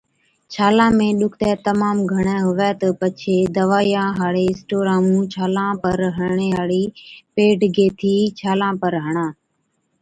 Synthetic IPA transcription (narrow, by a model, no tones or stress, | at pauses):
t͡ʃʰaːlãːmẽːɗʊkʰt̪ɛːt̪əmaːmɡʱəɳ̃ɛ̃ːɦʊʋɛːt̪əpət͡ʃʰeːd̪əʋaːjãːɦaːɽeːɪ̃sʈoːɾaːmũːt͡ʃʰaːlãːpəɾɦəɳeːaːɽiːpeːɖɡeːt̪ʰiːt͡ʃʰaːlãːpəɾɦəɳ̃ãː